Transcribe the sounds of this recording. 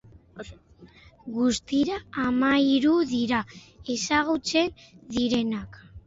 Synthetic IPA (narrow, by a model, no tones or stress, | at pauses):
ɡust̪iɾaːmaiɾuðiɾae̞saɣut͡se̞n | ðiɾe̞nak